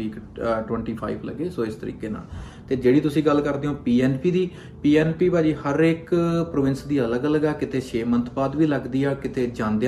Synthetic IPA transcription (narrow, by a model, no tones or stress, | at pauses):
iːkʈwə̃ɳʈiːpʰa̰ːiːblə̰ɡeːsoːɪst̪əɾḭːkeːna̰ːl | t̪eːd͡ʒeːɽiːt̪ʊsĩːɡəlkəɾd̪eːõːpiːɛːnpiːd̪iː | piːɛːnpiːpaːd͡ʒiːhəɾɪkpɾoːʋɪnsd̪iːələɡələɡɛːkɪt̪ʰeːʃeːmənt̪ʰbaːd̪ʋiːləɡd̪iːaːkɪt̪ʰeːd͡ʒãːnd̪e